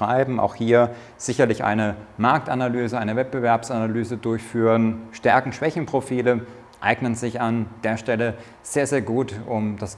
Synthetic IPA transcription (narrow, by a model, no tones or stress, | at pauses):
ʁ̥aɪbm̩ʔa̰ʊxhiːɐ | z̥ɪçɐlɪçʔa̰ɪnəmaɐk̚tanalyːzəʔaɪnəvɛt̚b̥əvɛɐpsanalyːzədʊɐçfyːʁənʃtɛɐkŋ̩ʃv̥ɛçn̩pʁ̥ofiːlə | ʔa̰ɪɡnənzɪçand̥eːɐʃtɛlə | z̥eːɐzeːɐɡuːtʔʊmd̥as